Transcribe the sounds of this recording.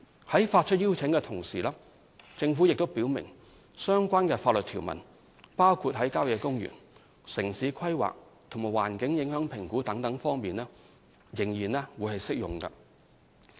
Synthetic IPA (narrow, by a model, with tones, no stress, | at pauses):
hɐ˨˥jfaː˧t̚t͡ʃʰt̚jiː˥wt͡sʰɪ˨˥ŋkɛ˧t̪ʰʊ˨˩ŋsiː˨˩laː˥ | t͡sɪ˧ŋfuː˨˥jɪ˨k̚t̪o˥wpiː˨˥wmɪ̰˨˩ŋ | sœː˥ŋkʷaː˥nkɛː˧faː˧t̚lə˨t̪ʰi˨˩wmɐ̰˨˩n | paː˥wkʰuː˧t̚ɦɐ˨˥jkaː˥wjɛː˧kʊ˥ŋjy̰ː˨˩n | sɪ˨˩ŋsiː˨˧kʰɐ˥jwa̰ː˨k̚ | t̪ʰʊ˨˩ŋmaː˨˩jwa̰ː˨˩nkɪ˨˥ŋjɪ˨˥ŋɦœː˨˥ŋpʰɪ˨˩ŋkuː˨˥t̪ɐ˨˥ŋt̪ɐ˨˥ŋfɔː˥ŋmiː˨nɛː˥ | jɪ˨˩ŋjiː˨˩nɛː˥wuː˨˧jhɐ˨jsɪ˥k̚jʊ̰˨ŋkɐ̰˧